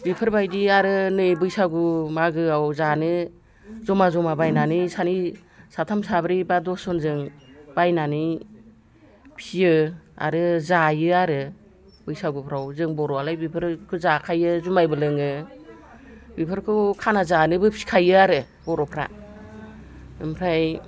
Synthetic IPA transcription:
bipʰɯɾbajdiaɾɯnɯjbɯjsaɡumaɡɯawzanɯ | zɔmazɔmabajnanɯsani | satʰamsabɾibadɔsɔnzɯŋbajnanɯ | pʰijɯa̰ɾɯzajɯaɾɯ | bɯjsaɡupʰɾawzɯŋbɔɾɔalajbipʰɯɾkʰɯzakʰajɯzumajbɯlɯŋɯ | bipʰɯɾkʰɯkʰanazanɯbɯpʰi̥kʰajɯaɾɯ | bɔɾɔpʰɾa̰ | ɯmpʰɾaj

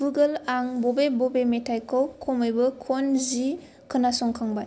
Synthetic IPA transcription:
buɡəlaŋbɔbebɔbemetʰajkʰɯwkʰɔmɯjbɯkʰɔnzi | kʰɯnasɔŋkʰaŋbaj

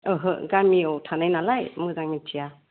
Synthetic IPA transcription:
ɯɦɯɡamiowtʰanajnalajmɯzaŋitʰija

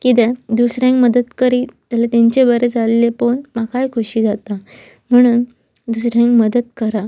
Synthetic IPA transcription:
kit̪ɛd̪usɾjãŋkməd̪əd̪kəɾiːt̪alet̪eɲt͡ɕebəɾed͡zalelepoɳmakajkʰuɕiːd͡zat̪a | m̤əɽ̃uːn | d̪usɾjãŋkməd̪əd̪kəɾa

